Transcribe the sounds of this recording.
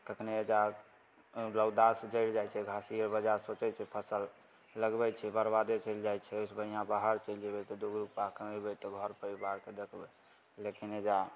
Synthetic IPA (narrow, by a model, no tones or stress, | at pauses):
kəkʰned͡ʒa | ləwd̪asd͡ʒəɪld͡ʒajt͡ʃʰɛɡʱasiəɾbəd͡ʒaɾsot͡ʃɛt͡ʃʰɛpʰəsəlː | əɡbɛt͡ʃʰɛbəɾbad̪et͡ʃəɪld͡ʒajt͡ʃʰɛojsbənijãbaɦəɾt͡ʃəld͡ʒebɛt̪ɔd̪uɡɾupakəmebɛt̪ɔɡʱəɾpəɾibaɾked̪ekʰbɛ | lekined͡ʒa